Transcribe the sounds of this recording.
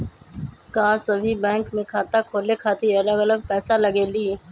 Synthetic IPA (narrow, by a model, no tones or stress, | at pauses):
kaːsəbʱibɛ̃ːŋkmẽkʰaːt̪akʰoːlekʰaːt̪iələɡələɡ̚pɛːsaləɡeːliː